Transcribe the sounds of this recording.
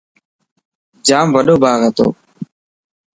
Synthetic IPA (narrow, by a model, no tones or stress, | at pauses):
d͡ʒaːmʋəɗoːbʱaːɣət̪o̰ː